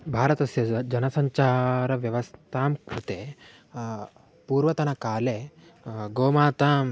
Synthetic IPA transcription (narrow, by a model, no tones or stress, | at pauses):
bʱaːɾɐt̪ɐsjɐd͡ʑɐnɐsɐɲt͡ʃaːɾɐʋjɐʋɐst̪ʰaːmkɾut̪e | puːɾʋɐt̪ɐnɐkaːle | ɡoːmaːt̪aːm